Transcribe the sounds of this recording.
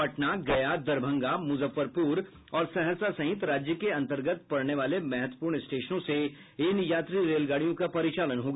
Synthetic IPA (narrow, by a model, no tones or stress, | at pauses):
ɐʈnaɡɐjad̪ɐɾbʱə̃ŋɡamʊzəfːəɾpuːɾ | ɔːɾsɛɦəɾsasɐ̃ɦɪt̪ɾaːd͡ʒjəkeɐ̃nt̪əɾɡət̪̚pɐɽneʋaːlemɛɦɛt̪wə̥puːɾɳɪsʈeːʃnõse | ɪːnjaːt̪ɾiɾeːlɡaːɽijõkapɐɾɪt͡ʃaːlənɦoːɡa